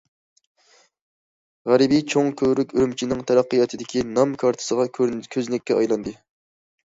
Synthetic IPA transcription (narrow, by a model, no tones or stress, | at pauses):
ʁæɾɪbit͡ʃʰoŋkʲʰøɾykʲyɾymt͡ʃʰinɪŋt̪ʰæɾɑqːəjɑt̪ʰɨd̪ɪkʲʰinɑmkʰɑɾt̪ʰɨ̥səʁɑkʲʰøznɪkʲːɛɑjlˠɑnd̪ɨ